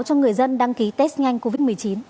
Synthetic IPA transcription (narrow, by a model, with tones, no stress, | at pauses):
wt͡ɕɔ˧ŋɨ˨˩əjzə˧nɗa˧ŋki˨˦t̪ɛ˦˥st̚ŋa˧jŋ̟ko˧vi˦˥t̚mɨ˨˩əjt͡ɕi˨˦n